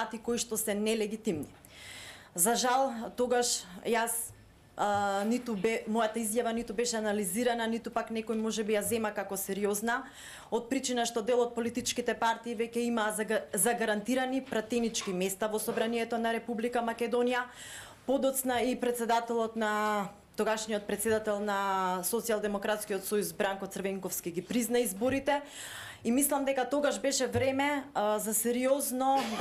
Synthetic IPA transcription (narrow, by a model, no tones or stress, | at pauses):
at̪ikoiʃt̪ɔsɛnɛlɛɡit̪imni | zaʒalˠt̪oɡaʃjas | nit̪ubɛmojat̪aizjavanit̪ubɛʃɛanaliziɾananit̪upaknɛkojmɔʒɛbijazɛmakakɔsɛɾiozna | ot̪̚pɾit͡ʃinaʃt̪ɔd̪ɛlˠɔt̪̚polit̪it͡ʃkit̪ɛpaɾt̪iːvɛcɛimaːzaɡaɾant̪iɾanipɾat̪ɛnit͡ʃkimɛst̪avɔsɔbɾaniɛt̪ɔnaɾɛpublikamakɛd̪ɔnija | pod̪ɔt̪snaipɾɛt̪sɛd̪at̪ɛlˠɔt̪na | t̪ɔɡaʃnijɔt̪̚pɾɛt̪sɛd̪at̪ɛlˠnasɔt̪sialˠd̪ɛmɔkɾat̪skijɔt̪sɔjuzbɾaŋkɔt̪srvɛŋkɔfskiɡipɾiznaizboɾit̪ɛ | imislˠamd̪ɛkat̪oɡaʒbɛʃɛvɾɛmɛzasɛɾiɔznɔ